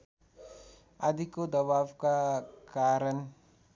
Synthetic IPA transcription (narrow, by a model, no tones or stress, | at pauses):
ɐd̪ʱikod̪ɐbaːwkakaːɾən